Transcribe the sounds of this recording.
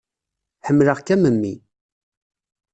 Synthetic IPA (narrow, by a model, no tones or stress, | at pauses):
ħəmːləʁkæməmːḭ